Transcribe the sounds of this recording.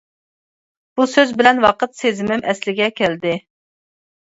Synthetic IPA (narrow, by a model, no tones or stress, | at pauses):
b̥usøzbɪlɛnwɑqət̪sezɪmɪmɛslɪɡʲɛkʲʰɛld̪ɪ